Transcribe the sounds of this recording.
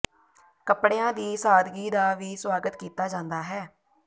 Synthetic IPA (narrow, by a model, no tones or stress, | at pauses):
kəpɽeːãːd̪iːsaːd̪ɡiːd̪aːʋiːswaːɡət̪kiːt̪aːd͡ʒãːnd̪aːɦɛː